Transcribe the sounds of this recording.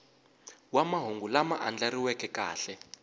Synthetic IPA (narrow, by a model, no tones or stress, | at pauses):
wamaɦoŋɡulamaʔand͡ɮaɾiwɛkɛka̰ːɬɛ